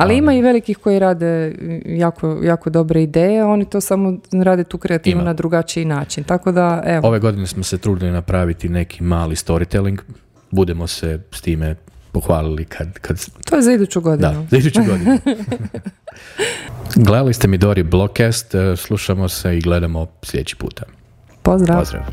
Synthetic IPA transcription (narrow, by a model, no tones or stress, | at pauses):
aliimaiʋe̞likixko̞jiɾaːd̪ejaːkʰojaːko̞d̪o̞bɾeid̪eːjeo̞nit̪o̞samoɾaːd̪e̞t̪uːkɾeat̪iːʋunad̪ɾuɡat͡ʃiinaːt͡ʃint̪ako̞d̪aʔeʋoo̞ʋe̞ɡo̞d̪inesmose̞t̪ɾuːd̪ilinapɾaːʋit̪ine̞kʰimaːlist̪o̞ɾit̪eliŋɡ | bud̪emo̞sest̪iːme | po̞xʋaːlilikʰad̪kʰad̪t̪ojezaid̪ut͡ɕuɡod̪did̪anuzaid̪ut͡ʃuɡod̪iu | ɡled̪alist̪e̞mid̪oɾiblˠokest̪slˠuʃamo̞seiɡle̞d̪amoslʲed̪ḛt͡ɕi̥pṵːt̪a | pozd̪ɾaaozd̪ɾa̰ʋ